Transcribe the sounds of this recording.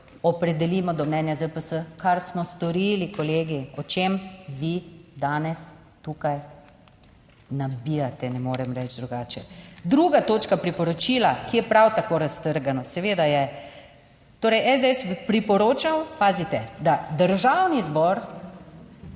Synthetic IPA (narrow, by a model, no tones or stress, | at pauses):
ɔpɾɛd̪ɛliːmɔd̪ɔmnɛnjazəpəsəkaɾsmɔst̪ɔɾilikɔleːɡiɔt͡ʃemʋid̪aːnɛs | t̪uːkaj | nabiːjat̪ɛnɛmoːɾɛmɾɛt͡ʃd̪ɾuɡaːt͡ʃɛd̪ɾuɡat̪oːt͡ʃkapɾipɔɾɔt͡ʃilakijɛpɾawt̪akoːɾast̪əɾɡanɔsɛʋeːd̪ajɛ | t̪oːɾɛjʔɛzɛsbipɾipɔɾoːt͡ʃawpaːzit̪ɛd̪ad̪əɾʒawnizbɔɾ